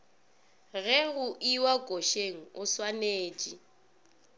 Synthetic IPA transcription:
ɣɛɣʊʔiwakʼoʃeŋ̩ʊswaneːt͡ʃʼi

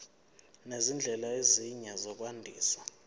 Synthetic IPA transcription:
nezind͡ɮʱɛlaeziɲazɔk̬ʼwandʱiːswa

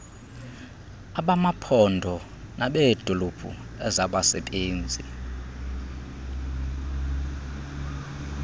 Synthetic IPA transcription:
aɓamapʰɔndʱɔ | naɓed̥ʱolob̥ʰʱṵɛzaɓasɛ̰tʼeːnd͡zʱi

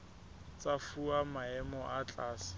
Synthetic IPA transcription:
t͡safuamaɛmɔʔat͡ɬʼaːsɪ̥

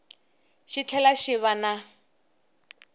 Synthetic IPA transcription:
ʃɪt͡ɬʰɛlaʃɪβana

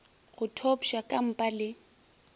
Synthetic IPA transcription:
ɣʊtʰɔpʃakʼam̩pʼalɪ

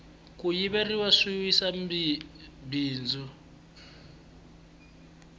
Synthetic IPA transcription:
kʼujiβeriwaʂiwisa | biːnd͡zu

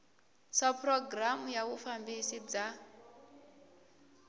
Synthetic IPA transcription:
sapʰrɔɡramujaβufambisid͡za

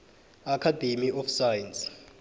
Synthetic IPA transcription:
akʰadʱemiʔɔfsajns

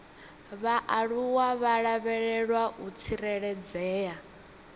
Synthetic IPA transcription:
βaʔaɺuwaβaɺaβɛɺɛɺwaut͡sʰiɾɛɺɛd͡zɛːja

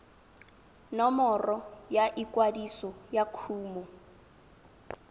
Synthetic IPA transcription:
nɔmɔrɔjaʔikwadisɔjakʰuːmɔ

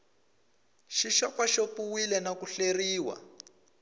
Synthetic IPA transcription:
ʃiʃɔpaʃopuwilɛnakuɬeriːwa̰

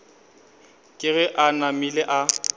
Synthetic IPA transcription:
kʼɪɣɛʔanamileʔa

